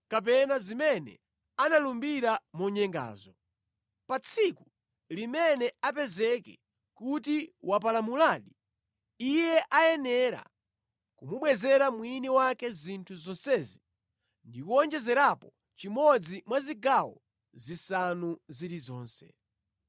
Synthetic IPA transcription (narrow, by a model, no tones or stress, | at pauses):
kap̬ɛnazimɛnɛ̰ | analumbiɾamɔɲɛŋɡa̰ːzɔ | pat͡sʰiku | limɛnɛap̬ɛzɛkɛ | kutiwap̬alamulaɗi | ijɛʔajɛnɛɾa̰ | kumuɓwɛzɛɾamwiniwakɛzintʰuzɔnsɛzi | ndikuɔnd͡ʒɛzɛɾapɔ | t͡ʃimɔd͡zimwaziɡawɔ̰ | zisanuziɾizɔːnsɛ̰